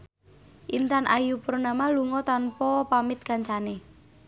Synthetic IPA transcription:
ʔint̪anʔajupəɾnamaluŋɔt̪anpɔpamɪt̪̚kaɲt͡ʃane

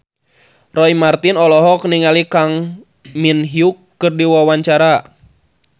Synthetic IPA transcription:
rɔimart̪inɔlɔɦɔkniŋalikaŋ | minɦiukːɨrdiwawaɲt͡ʃaɾa

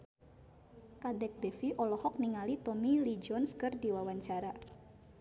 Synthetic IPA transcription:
kadɛk̚dɛfiʔɔlɔhɔk̚niŋalit̪ɔmilid͡ʒɔnskɨrdiwawaɲt͡ʃaɾa

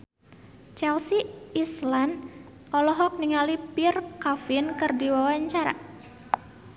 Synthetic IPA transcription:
t͡ʃɛlsiːslan | ʔɔlɔɦɔk̚niŋalipirkafɪnkɨrdiwawaɲt͡ʃaɾa̰

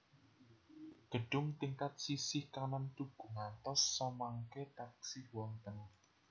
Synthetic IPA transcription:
ɡ̥əɖ̥ʊŋt̪iŋkat̪̚sisɪhkanant̪uɡ̥ṳŋant̪ɔsːɔmaŋket̪aksɪhwɔnt̪ən

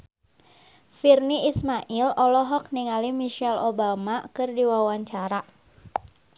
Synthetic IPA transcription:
firniismaʔilɔlɔɦɔk̚niŋalimiʃɛlobamakɨrdiwawaɲt͡ʃaɾa

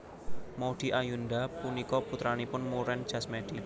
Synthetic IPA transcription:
mɔɖ̪̥i̤ʔajundapunikɔput̪ɾanipʊnmuɾɛn̥d͡ʒ̥a̤smɛɖ̥i

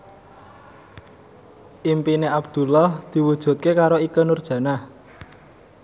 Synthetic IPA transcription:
ʔimpineab̥d̪̥ṳlahd̪̥i̤wud̥ʒ̥ṳt̪̚kekaɾoikənurd̥ʒ̥ä̤nah

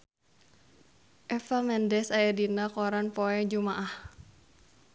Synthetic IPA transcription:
ʔɛfamɛndɛsajadinakɔɾanpɔɛd͡ʒumaʔah

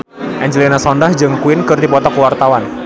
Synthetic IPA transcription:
ʔɛɲd͡ʒlinasɔndahd͡ʒɨŋkuɪnkɨrdipɔt̪ɔkəwart̪awan

